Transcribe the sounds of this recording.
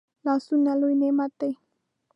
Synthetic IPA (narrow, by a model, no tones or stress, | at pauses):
lasunaluinemat̪e